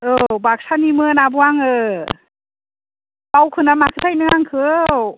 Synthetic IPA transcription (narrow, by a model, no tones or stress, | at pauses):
ɯbak̚sanimɯnabuaŋɯ | pawkʰɯnamakʰɯtʰajnɯŋaŋkʰɯ